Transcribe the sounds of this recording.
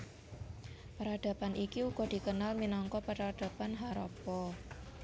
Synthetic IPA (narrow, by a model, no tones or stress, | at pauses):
pəɾad̥a̤panʔikiuɡ̥ɔ̤d̥i̤kənalminɔŋkɔpəɾad̥a̤panɦaɾɔ̰pɔ